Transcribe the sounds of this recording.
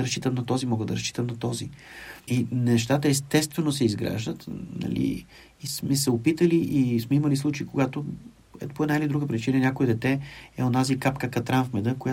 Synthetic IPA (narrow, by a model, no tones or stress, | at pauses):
ɾɐsʃt͡ʃit̪əmnɐt̪ɔzimɔɡəd̪ɐɾɐʃt͡ʃi̥t̪əmnɐt̪ɔziinɛʃt̪at̪əɛst̪ɛst̪vɛnosɛizɡɾa̰ʒd̪ət̪nɐ̰lḭ | ismɛsɛopit̪əliʔismɛiməlis̬lˠut͡ʃeikoɡat̪o | ɛ̰poɛd̪naɛlʲid̪ɾuɡəpɾit͡ʃinənʲjakoɛd̪ɛt̪ɛɛonazikapkəkɐt̪ɾanfmɛd̪əkoja